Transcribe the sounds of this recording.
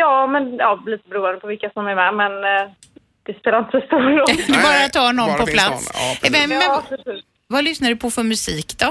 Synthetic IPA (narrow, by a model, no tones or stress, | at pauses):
jɑːmɛnjɑːliːt̪əbɛɾuːənd̪əpʰɔvɪlkːasɔmæɾmɛmɛn | d̪̥ɛspɛlaɪnt̪ə̥sɔst̪uːɾɔd̪ɛbɑːɾat̪ʰːɑːnɔnpʰɔpʰlat̪sɛmɛmɛpɾɛsiː | valʏsnaɖɵpʰɔfœɾmʉsiːkd̪ɔ